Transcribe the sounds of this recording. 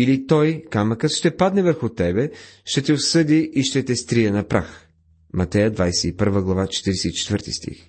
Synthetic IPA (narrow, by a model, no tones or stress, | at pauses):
ilit̪ɔjkamɐkət̪ʃt̪ɛpad̪nɛvəɾxʊt̪ɛbɛʃt̪ɛt̪ɛosɤd̪iʔːʃt̪ɛt̪ɛst̪ɾijənɐpɾa̰x | mɐt̪ɛjəd̪vajsɛipəɾvəɡlˠɐvat͡ʃɛ̥t̪iɾɛsɛit͡ʃɛ̥t̪vəɾt̪ḭst̪ḭx